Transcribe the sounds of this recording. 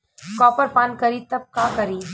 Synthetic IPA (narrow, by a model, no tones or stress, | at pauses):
kɔːpəɾpaːnkɐɾiːt̪ɐb̚kaːkɐɾiː